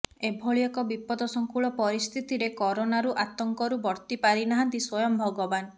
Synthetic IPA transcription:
ebʱoɭijɔkɔbipɔd̪ɔsɔŋkuɭɔpɔɾist̪ʰit̪iɾekɔɾonaɾuʔat̪ɔŋkɔɾubɔɾt̪ipaɾinaɦãnt̪iswɔjɔmbʱɔɡɔban

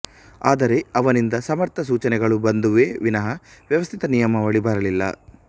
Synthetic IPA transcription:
aːd̪ɐɾe̞ɐʋɐnind̪ɐsɐmɐɾt̪ʰɐsuːt͡ʃɐnɛɡɐɭubɐnd̪uʋeːʋinɐɦɐʋjɐʋɐst̪ʰit̪ɐnijɐmɐʋɐɭibaːɾɐlilːɐ̰

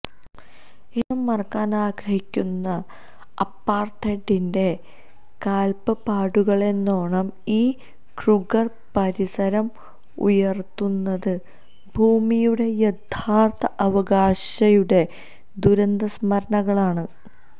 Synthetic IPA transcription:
enːumːɐrɐkːaːnaːɡɾɐɦikʲːunːɐ | ɐpːaːrt̪ʰeʈːinde̞ | kaːlpɐpaːɽuɣɐɭe̞nːoːɳɐmiː | kruɡɐr | pɐɾisɐɾɐm | ṵjɐrt̪ːunːɐðɨ | bʱuːmijuɽe̞jed̪ʱʰaːrt̪ʰɐʔɐʋɐɡaːɕɐjuɽe̞ | d̪uɾɐnd̪ɐsmɐɾɐɳɐɣɐɭaːɳɨ

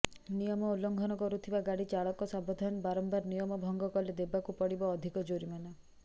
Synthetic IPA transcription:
nijɔmɔulːɔŋɡʱɔnɔkɔɾut̪ʰibaɡaɽit͡ʃaɭɔkɔsɔmbɔd̪ʱanbaɾɔmbaɾnijɔmɔbʱɔŋɡɔkɔled̪ebakupɔɽibɔːd̪ʱikɔd͡ʒoɾimanɔ

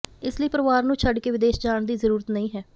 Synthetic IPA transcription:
ɪsləiːpəɾɪʋaːɾnũːt͡ʃʰəɖkeːʋɪd̪eːʃd͡ʒaːɳd̪iːzəɾuːɾət̪nəĩːɦɛː

